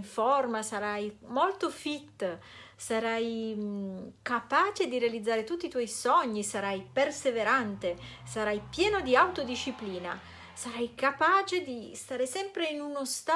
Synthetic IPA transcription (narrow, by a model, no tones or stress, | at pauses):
ɱfɔrmasaɾajmolt̪ofit̪ːsaɾaj | kapaːt͡ʃed̪iɾealid̪zːaːɾet̪ut̪ːit̪wɔjsɔɲːisaɾajperseveɾant̪e | saɾajpjɛːnod̪iawt̪od̪iʃːipliːna̰ | saɾajkapaːt͡ʃed̪ist̪aːɾesɛmpɾeinunost̪a